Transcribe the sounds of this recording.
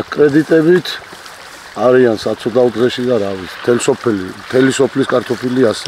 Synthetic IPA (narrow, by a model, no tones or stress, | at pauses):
kʼɾɛd̪it̪ʼɛbit̪ʰ | aɾiansat̪sʰɔd̪aud̪ʁɛʃid̪aɾavit̪sʰi̥mt̪ʰɛlsɔpʰɛlimt̪ʰɛlisɔpʰliskʼaɾt̪ʰɔpʰilias